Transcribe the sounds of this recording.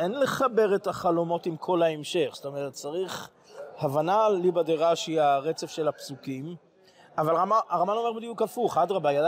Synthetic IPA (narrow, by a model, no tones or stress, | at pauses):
ʔenle̞χabe̞ʁetaχalo̞mo̞timkʰo̞laemʃe̞χst̪o̞meʁet̚t͡saʁiχ | havanalibadeʁaʃiaʁet͡sefʃelapsukim | avalʁamaaʁamano̞mebed̪ijukafuχadʁabajad